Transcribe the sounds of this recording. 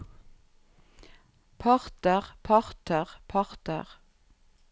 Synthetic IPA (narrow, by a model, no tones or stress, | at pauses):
pʰɑʁt̪əʁpʰɑʁt̪əʁpʰɑʁt̪ə̰ʁ